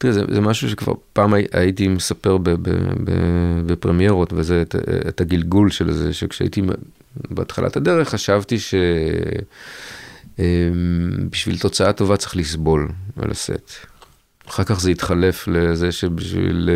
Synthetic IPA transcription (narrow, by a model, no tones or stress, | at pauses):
t̪iʁezḛzemaʃuʃekva̰ʁpaːmaʔa̰jitimesape̞ʁbebḛbḛbepʁemijeʁo̞tvezetetaɡilɡulʃelzeʃekʃea̰ḭt̪i | beat̪χala̰tad̪e̞ʁeχːaʃavtiʃe̞ | embiʃvḭlt̪o̞t͡saato̞vat͡se̥χlisbo̞lvḛlʔa̰se̞̰t̪ | aχaʁkaχzeit̪χale̞flezeʃebiʃvḭl